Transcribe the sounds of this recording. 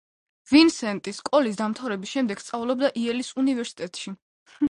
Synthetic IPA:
vinsɛnt̪ʼiskʼɔlis̬d̪amt̪ʰavɾɛbisʃɛmd̪ɛɡ̥st̪sʼavulˠɔb̚d̪aʔiɛlisunivɛɾsi̥t̪ʼɛt̪ʼʃi

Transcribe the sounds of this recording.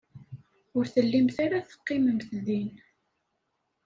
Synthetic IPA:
ʊɾθəlːimθaɾaθə̥qːɪməmθðin

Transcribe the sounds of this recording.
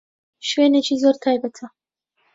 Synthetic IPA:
ʃweːnet͡ʃizoɾt̪ʰaːjbɐt̪ʰɐ

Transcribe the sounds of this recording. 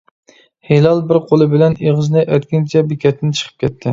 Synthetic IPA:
helɑlˠbɪɾqʰolˠɨbɪlɛneʁɨznɨʔœt̪kʲɪnt͡ʃʰɛbikʲʰɛt̪ʰːɪnt͡ʃʰə̥qʰə̥p̚kʲʰɛt̪ʰːɪ

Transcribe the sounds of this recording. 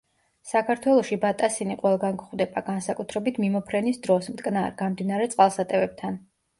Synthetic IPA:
sakʰaɾt̪ʰwɛlˠɔʃibat̪ʼasiniqʼwɛlˠɡanɡχwd̪ɛbaɡansakʼut̪ʰɾɛbit̪ʰmimɔpʰɾɛnisd̪ɾɔsmt̪ʼkʼnaɾɡamd̪inaɾɛt̪sʼqʼalˠsat̪ʼɛvɛb̚t̪ʰan

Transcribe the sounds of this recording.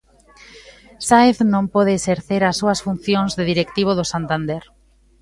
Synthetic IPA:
saeθnõmpɔð̞eːseɾθeɾasːuɐsfun̟θjoŋzðeðiɾekt̪iβ̞oðosant̪and̪eɾ

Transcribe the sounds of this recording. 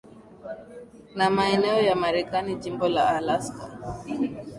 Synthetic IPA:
namaɛnɛɔjamaɾɛkaniʄimbɔlaːlaska

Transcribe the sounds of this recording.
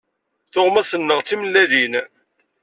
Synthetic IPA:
θoʁmæsənːəʁt͡sːiməlːæðin

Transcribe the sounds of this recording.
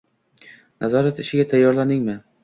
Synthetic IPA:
nʔazɒɾat̪ɪʃɪɡʲat̪ʰajːɒɾlanɪŋmɪ

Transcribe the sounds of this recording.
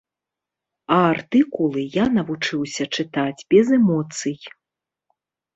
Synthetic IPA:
ɐart̪ɨkulˠɨjanɐvut͡ʂɨwsʲɐt͡ʂɨt̪ad͡zʲbʲɛzɛmɔt̪sɨj

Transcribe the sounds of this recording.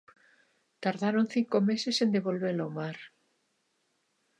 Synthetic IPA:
t̪aɾðaɾon̟θiŋkomesesend̪eβolβelomaɾ

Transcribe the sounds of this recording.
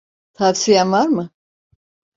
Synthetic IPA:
t̪ʰafsijænvaɾmɯ

